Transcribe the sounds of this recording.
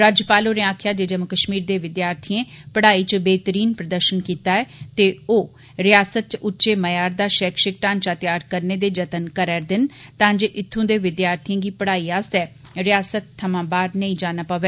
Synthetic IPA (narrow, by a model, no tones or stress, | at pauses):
ɾaːd͡ʒjəpaːloːɾẽːãːkʰjaːd͡ʒeːd͡ʒəməkəʃmiːɾd̪eːʋɪd̪jaːɾt̪ʰiẽːpəɽaːiːt͡ʃəbeːt̪əɾiːnpɾəd̪əɾʃənkiːt̪aːɛːt̪eːoː | ɾɪjaːsət̪̚t͡ʃʊtːʃeːməjaːɾd̪aːʃɛːkʃɪk̚ʈãːnt͡ʃaːt̪ɪjaːɾkəɾneːd̪eːd͡ʒət̪ənkəɾɛːɾd̪ɪnt̪ãːd͡ʒeːʔɪt̪ʰːõːd̪eːʋɪd̪jaːɾt̪ʰijẽːɡiːpəɽaːiːaːst̪ɛː | ɾɪjaːsət̪ʰːəmãːbaːɾnəĩːd͡ʒaːnaːpəʋeː